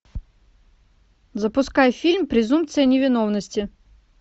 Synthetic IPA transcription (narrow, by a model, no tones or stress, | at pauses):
zəpʊskajfʲilʲmpɾʲɪzump̚t̪sɨjənʲɪvʲɪnovnəsʲtʲɪ